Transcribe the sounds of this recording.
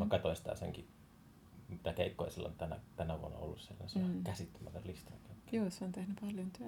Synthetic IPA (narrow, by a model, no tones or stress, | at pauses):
mɑˑkɑt̪oinsi̥t̪æ̰sḛŋki | mit̪ækeˑikːoḛˑsilːo̰nt̪ænæ̰t̪ænæʋuonːɑ̰o̰lːusselːonesenɑkæsit̪ːæmæt̪ælist̪ɑkɑt̪ːɑ̥juːseont̪ehnypɑljont̪yæ